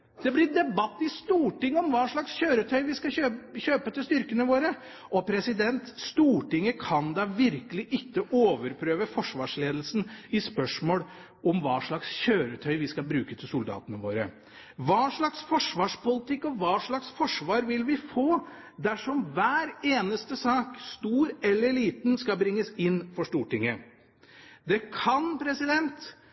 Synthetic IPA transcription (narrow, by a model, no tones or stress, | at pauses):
d̪̥ɛblɪɾd̪ɛbɑt̪ːɪst̪uːʈɪŋːəɔmʋɑːʂɭɑksçøːɾət̪ʰœʏʋɪskɑøːçøːpət̪ɪst̪ʏɾkənəʋoːɾə | ʔɔpʰɾɛsɪd̪ɛnt̪st̪uːʈɪŋːəkʰɑnd̪ɑʋɪɾkəlɪʔɪkːəʔoːʋəɾpʰɾøːʋəfɔʂʋɑːʂleːd̪əl̩sn̩ɪspœʂmoːl | ɔmʋɑːʂɭɑksçøːɾət̪ʰœʏʋɪskɑlbɾʉːkət̪ʰɪlsʊld̪ɑ̰ːt̪ənəʋo̰ːɾə | ʋɑːʂɭɑksfɔʂʋɑːʂpʊlɪt̪ɪkːɔʋɑːʂɭɑksfɔʂʋɑːɾʋɪlʋɪfoː | d̪æʂɔmʋæːɾeːnəst̪əsɑːkst̪uːɾɛlːəɾɭiːt̪nskɑlbɾɪŋːəsɪnfɔʂtuːʈɪŋːə | d̪ɛkʰɑnpʰɾɛsɪd̪ɛnt̪